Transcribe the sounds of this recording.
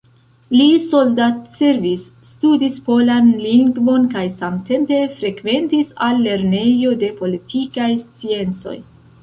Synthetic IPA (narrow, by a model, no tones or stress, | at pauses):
liso̞ldatse̞ɾvisːtudispo̞lanliŋɡvo̞nkajsamte̞mpe̞fɾe̞kve̞ntisalːe̞ɾne̞jo̞de̞po̞litʰikajst͡sie̞nt͡so̞̰j